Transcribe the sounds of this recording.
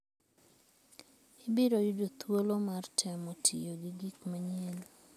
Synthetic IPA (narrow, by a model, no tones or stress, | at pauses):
ɪbɪɾojudot̪wolomartʰɛmɔtʰḭjoɡɪɡikmaɲɛl